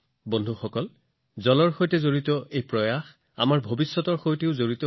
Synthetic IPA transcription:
bondʱuxɔkɔl | zɔlɔɹxojtɛzoɹitɔʔejpɹɔjax | a̰maɹbʱobisːɔtɔɹxojteʊzoɹitɔ

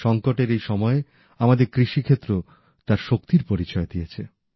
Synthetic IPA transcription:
ʃɔŋkoʈeɾejʃɔmɔe | amad̪eɾkɾiʃikʰet̪ːɾo | t̪aɾʃok̚t̪iɾpoɾit͡ɕɔed̪ijet͡ɕʰe

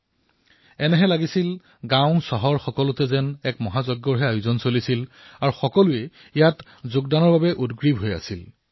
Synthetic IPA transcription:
ɛnɛɦɛlaɡisil | ɡãwʊ̃sɔɦɔɹxɔkɔlʊtɛzɛnɛkmɔɦazɔɡːɔɹɦɛajuzɔnsolisil | aɹuxɔkɔluɛ | ijat | zʊɡdanɔɹbabɛʔudɡɹibʱɦoja̰sil

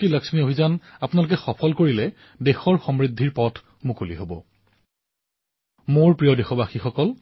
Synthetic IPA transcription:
kilaksmiobʱizanapʊnalʊk̬ɛxɔpʰɔlkoɹilɛ | dexɔɹxɔmɹidʱːiɹpɔtʰ | mukulḭɦobɔ̰ | moɹpɹijɔdɛxɔbaxixɔkɔl

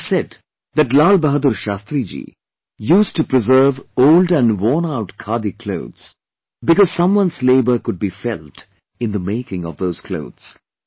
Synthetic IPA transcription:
sɛd | ðæʈlaːlbəɦəd̪uɾʃaːst̪ɾid͡ʒḭː | juːsʈupɾɪzɜːvoʊlɖæ̃nɖwɔːnaʊʈkʰaːd̪ikʰloʊd̪z̥ | bɪkɔz̥sʌ̃mwʌ̃nsleɪbəɾkʊɖ̚bifɛlt | ɪ̃nd̪əmeɪkɪ̃ŋɔ̰vd̪oʊz̥kʰlo̰ʊd̪z̥

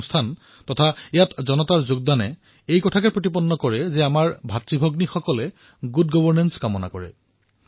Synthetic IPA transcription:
stʰan | tɔtʰaejatzɔnɔtaɹzʊɡ̚danɛ | ejkɔtʰakɛpɹot̬ipɔnːɔkɔɹɛzɛamaɹbʱatɹibʱɔɡnixɔkɔlɛ | ɡud̚ɡɔbɔɹnɛnskamɔna̰kɔɹɛ̰

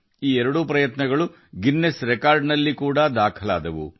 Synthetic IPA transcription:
iːɛɾɐɽupɾɐjɐt̪nɐɡɐɭu | ɡinːesɾekaːɾɖnɐlːikuːɽad̪aːkʰɐla̰ːd̪ɐʋṵ

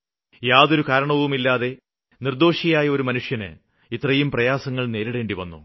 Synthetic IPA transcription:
jaːðo̞ɾukaːɾɐɳɐʋumilːaːðe̞ | nird̪o̞ːʂijaːjɐo̞ɾumɐnuʂjɐnɨ̰ | it̪rɐjumprɐjaːsɐŋːɐɭne̞ːɾiɽe̞ːɳɖiʋɐnːṵ

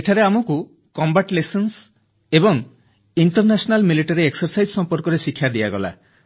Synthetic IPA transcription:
eʈʰaɾeamɔku | kɔmbaʈlejsens | ebɔŋ | iɳʈɔɾnasɔnalmiliʈaɾieksɔɾsajd͡ʒsɔmpɔɾkɔɾesikʰːjad̪iaɡɔ̰la̰

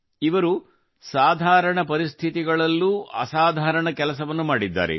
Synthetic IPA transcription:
iʋɐɾu | saːd̪ʱaːɾɐɳɐpɐɾist̪ʰit̪iɡɐɭɐlːuːɐ̰saːd̪ʱaːɾɐɳɐkɛlɐsɐʋɐnːumaːɽid̪ːa̰ːɾḛ

